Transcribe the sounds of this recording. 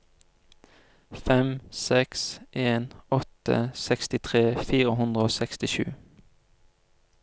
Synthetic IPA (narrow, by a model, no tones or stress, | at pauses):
fɛmsɛksʔeːnɔt̪ə̰sɛkst̪ɪt̪ʰʁeːfiːʁəɦʉnd̪ʁəoːsɛkst̪ɪʃʉ̰ː